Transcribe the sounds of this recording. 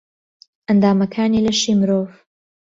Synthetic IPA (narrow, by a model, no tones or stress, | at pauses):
ʔɐnd̪aːmɐkʰaːniːlɐʃiːmɨɾoːv